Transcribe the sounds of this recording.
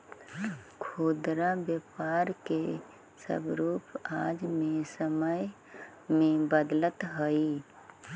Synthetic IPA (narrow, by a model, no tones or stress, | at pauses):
kʰoːd̪ɾabjəpaːɾke | sə̰bɾuːpaːd͡ʒmẽsəməj | mẽbəd̪lət̪ɦəi